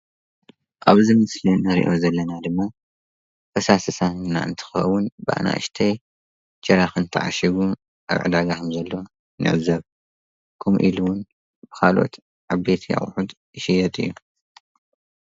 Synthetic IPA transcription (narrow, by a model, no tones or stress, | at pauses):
ʔaβzimɨslinɐɾḭʔo̞zɐlːɐnad̪ɨmːa | fʰɐsasɨsanːa̰ʔɨ̰nt̪ʰɨ̥xɐ̰wʊnbɨʔa̰na̰ʔɨ̰ʃt̪ʰɐj | t͡ʃʼɐɾaxɨnt̪ʰɨ̰ʕa̰ʃiβu | ʔa̰βʕɨ̰d̪aɡakʰɨmzɐlːo | nɨ̰ʕɨzɐβ | kʰomʔiluwʊn | b̥ɨ̥kʰalʔo̞̰t̪ | ʕaβet̪ʰija̰χʼħud̪ | jɪʃɪjɐt̪ʼɨ̰jːu